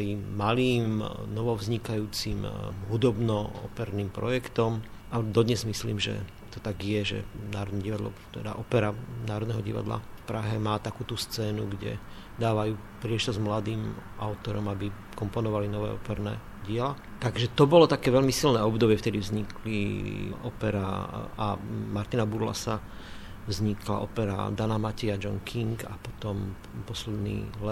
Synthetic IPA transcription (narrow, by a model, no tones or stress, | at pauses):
imaliːmnɔʋɔvzɲikajuːt͡simɦud̪ɔbnɔɔ̰pɛɾniːmpɾɔjɛkt̪ɔmad̪ɔd̪ɲɛzmisliːmʒɛ̰ | t̪ɔt̪aɡjɛʒɛ̰naːɾɔd̪nɛɟiʋad̪lɔ̰t̪ɛd̪a̰ʔɔpɛɾanaːɾɔd̪nɛɦɔɟḭʋa̰d̪la̰fpɾaɦɛmaːt̪akuːt̪ust͡sɛːnuɡɟɛ̰ | d̪aːʋajuː | pɾɪɛʃt̪ɔzmlad̪iːmaʊt̪ɔɾɔmabi | kɔmpɔnɔʋalinɔʋɛ̰ːɔpɛɾnɛ̰ː | ɟɪɛla | t̪aɡʒɛt̪ɔbɔlɔt̪akɛːʋɛʎmisilnɛːɔbd̪ɔbɪɛft̪ɛd̪ivzɲiklḭʔɔpɛɾa̰amaɾt̪inabuɾla̰sa | vzɲikla̰ʔɔpɛɾa̰d̪anamaciad͡ʒɔŋkʰiŋka̰pɔt̪ɔm | pɔslɛd̪nḭːlɛ